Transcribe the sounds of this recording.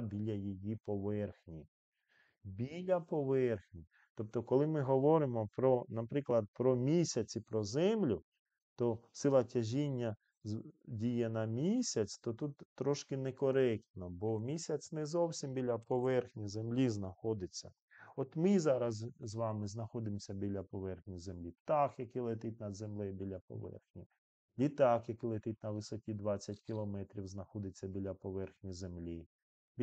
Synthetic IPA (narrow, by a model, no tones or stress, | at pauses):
bʲilʲɐjijipɔʋɛrxnʲi | bʲilʲɐpɔʋɛrxnʲi | t̪ɔp̚t̪ɔkɔlˠɪmɪɦɔʋɔɾɪmɔpɾɔnɐpɾɪklˠɐd̪̚pɾɔmʲisʲɐt͡sʲipɾɔzɛmlʲʊ | t̪ɔsɪlˠɐtʲɐʒʲinʲːɐ | dʲijɛnɐmʲisʲɐt͡sʲt̪ɔt̪ut̪ːɾɔʃkɪnɛkɔɾɛk̚t̪nɔbɔmʲisʲɐsʲnɛzɔwsʲimbʲilʲɐpɔʋɛrxnʲizemlʲiznɐxɔd̪ɪt͡sʲːɐ̰ | ɔt̪mɪzɑɾɐzzʋɑmɪznɐxɔd̪ɪmsʲɐbʲilʲɐpɔʋɛrxnʲizemlʲipt̪ɑxjɐkilˠet̪ɪt̪̚ʲnɐd̪zemlˠɛbʲilʲɐpɔ̰ʋɛ̰rxnʲi | lʲit̪ɑxjɐkɪlˠet̪ɪt̪̚ʲnɐʋɪsɔkʲid̪ʋɑt͡sʲːɐtʲkʲilˠɔmɛt̪ɾʲiwznɐxɔd̪ɪt͡sʲːɐbʲilʲɐpɔʋɛrxnʲizemlʲi | bʲ